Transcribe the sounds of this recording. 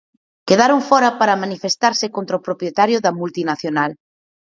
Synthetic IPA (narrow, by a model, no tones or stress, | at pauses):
keðaɾoŋfɔɾɐpaɾɐmanifest̪aɾsɪkont̪ɾaopɾopjet̪aɾjʊðɐmult̪inaθjonal